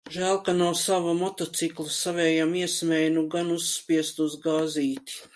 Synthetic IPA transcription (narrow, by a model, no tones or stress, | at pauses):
ʒæːlˠkanawsaʋamɔt̪ɔt̪siklˠusaʋɛːjamiɛsmɛjnuɡanusːpiɛst̪uzɡaːziːt̪i̥